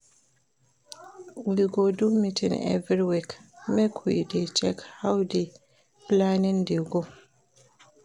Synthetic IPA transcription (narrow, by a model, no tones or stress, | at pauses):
wiɡodumitʰḭ̃ŋɛ̰vɹiwikmɛkʰuidet͡ʃɛkhawdi | planĩndiɡo